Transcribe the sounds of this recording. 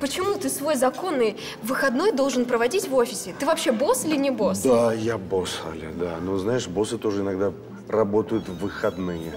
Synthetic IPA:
pət͡ɕɪmut̪ɨsvo̞jzɐko̞nɨj | vɨxɐd̪no̞jd̪o̞lˠʐɨnpɾəvɐdʲitʲvo̞fʲɪsʲɪt̪ɨvɐpɕːebo̞sɨlʲɪnʲɪbo̞sd̪ajabosa̰lʲɪ̰d̪anoznajɪʂbo̞sɨt̪o̞ʐɨɪnɐɡd̪a | rɐbo̞t̪əjʊt̪vɨxɐd̪nɨjɪ

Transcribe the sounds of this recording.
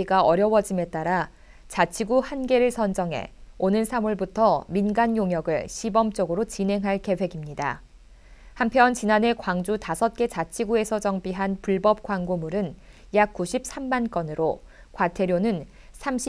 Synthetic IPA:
iɡaʌɾjʌwʌd͡ʑime̞t͈aɾa | t͡ɕat͡ɕʰiɡuhanɡe̞ɾɯɭsʰʌnd͡ʑʌŋɦe̞̰onɯnsʰamuɭbutʰʌminɡanjoŋɦjʌɡɯɭɕʰibʌmt͡ɕ͈ʌɡɯɾot͡ɕine̞ŋɦaɭke̞we̞ɡimɲida̰ | hampʰjʌnt͡ɕinane̞kwaŋd͡ʑutasʰʌt̚k͈e̞t͡ɕat͡ɕʰiɡue̞sʰʌt͡ɕʌŋbiɦanpuɭbʌp̚k͈waŋɡomuɾɯn | jak̚k͈uɕʰip̚s͈ʰamːank͈ʌnɯɾo | kwatʰe̞ɾjonɯn | sʰamɕʰ

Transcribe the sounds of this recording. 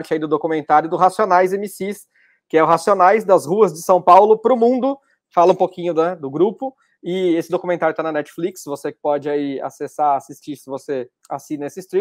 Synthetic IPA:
ɾt͡ʃɪaid̪ʊd̪okumẽnt̪aɾjʊd̪ʊɦasionajzemisis | kɪɛʊɦasionajzd̪ɐzhuɐzd͡ʒɪsɐ̃w̃pawlʊpɾʊmũd̪ʊ | falɐũpokĩɲʊd̪ɛd̪ʊɡɾupʊ | ɪesɪd̪okumẽnt̪aɾjʊt̪anɐnɛt͡ʃɪ̥fliksvosekɪ̥pɔd͡ʒɪaia̰sesaasist͡ʃiɾsɪvose | asinɐesɪst̪ɾi

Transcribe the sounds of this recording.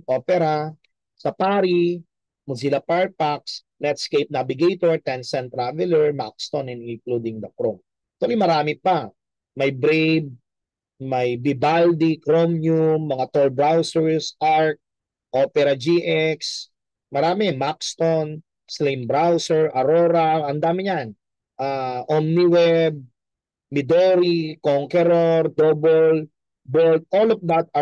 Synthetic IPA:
ʔopɛɾa | sɐpaːɾi | mʊzilɐpaɹ̚pak̚s | nɛt̪skejp̚navɪɡejt̪oɹt̪ɛnsɛ̃nt̪ɾavɛlɛɹmakst̪onɪ̃nɪnklud̪ɪŋd̪ɐkɾom | k̚t̪wɐlimɐɾaːmɪpa | mɐjbɾejb̚ | mɐjbɪbald̪ikɾomjumːɐŋat̪olbɹawsɛɹsʔaɹk̚ | ʔopɛɾɐd͡ʒiʔɛks | mɐɾaːmɛmakst̪on | slimbɾawsɛɹʔɐɾoːɾaʔɐnd̪aːmɪɲan | ʔaʔomniwɛb̚ | mɪd̪oɾikoŋkɛɾoɾd̪obɔl | bɔld̪̚ʔolɔfd̪at̪̚ɐ

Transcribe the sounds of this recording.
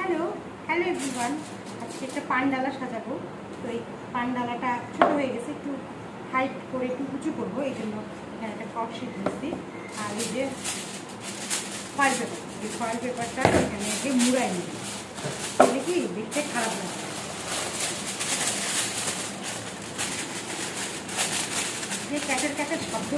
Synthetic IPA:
hɛlo | hɛloebɾiwan | ad͡ʑkeɛk̚ʈapaɳɖalaɾʃad̪abo | t̪oej | paɳɖalaʈat͡ʃʰoʈoɦoeɡɛt͡ɕʰeek̚ʈu | ʈʰajpkoɾeek̚ʈukud͡ʑʰukoɾboejd͡ʑonːo | ekʰaneɛk̚ʈakɔkʃid̪diesʰi | aɾede | fajbebo | ekʰɔjlpepaɾʈaekʰaneɡemuɾajni | elekibekt̪ʰekʰaɾabnata | d͡ʑekɛʈeɾkat͡ɕʰebɔo

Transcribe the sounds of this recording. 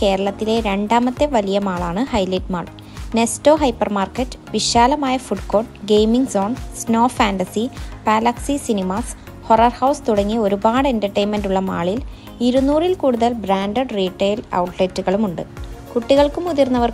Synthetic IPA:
ke̞ːɾɐɭɐt̪ːile̞ɾe̞ɳɖaːmɐt̪ːe̞ʋɐlijɐmaːɭaːɳɨhɐjliʈ̚ma̰ːɭ | ne̞sto̞ːɦɐjpːɐrmaːrkɐtːɨ̥ʋiɕaːlɐmaːjɐfuɖko̞ːɖɡejmiŋɡso̞ːnsno̞ːfaːnɖɐsipaːlɐksisinimas | ho̞rɐrhɐwst̪uɽɐŋːio̞ɾubaːɽe̞ntɐrʈːejnmenɖuɭːɐma̰ːɭil | iɾunːuːrilkuːɽuðɐlbraːnɖɐɖriːʈːejlɐ̰wʈletːuɣɐɭumuɳɖɨkuʈːiɣɐɭkumuðirnːɐʋɐr

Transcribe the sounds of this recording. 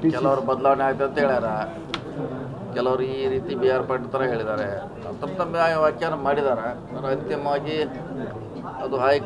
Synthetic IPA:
kɛlɐʋɐɾubɐd̪laːʋɐneaːɡt̪ːeɐnt̪ɐɦeːɭaːɾa | kɛlɐʋɐɾuiːɾiːt̪ibijaːɾpɐɳɖt̪ːɐɾɐɦe̞ːɭid̪aːɾe | ɐ̰t̪ːɐɾɐt̪ɐmːeʋɐɾkjanɐmaːɽid̪aːɾe | ɾɐnt̪imʋaːɡi | ɐd̪uɦaːj

